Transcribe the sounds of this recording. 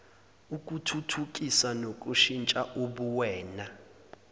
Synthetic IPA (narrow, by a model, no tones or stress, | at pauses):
uk̬ʼutʰutʰuk̬ʼisanok̬ʼuʃint͡ʃʼaʔuɓuwɛːna